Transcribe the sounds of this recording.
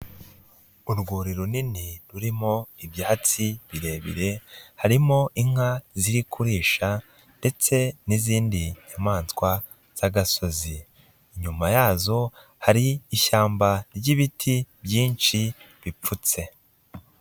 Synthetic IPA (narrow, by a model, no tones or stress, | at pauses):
uɾɡuːɾiɾuniniɾuɾimo̞ibjaːhat͡siβiɾe̞ːβḭɾe̞haɾimo̞ʔiŋ̥haziɾikʰuɾiːʃa | nde̞t͡se̞niziːndiɲamaːnskwa | z̥aɡaso̞ziː | ɲumajaːzo̞ | haɾiːʃaːmbaɾɟiβitʰibjiːnʃi | βip͡fut͡se̞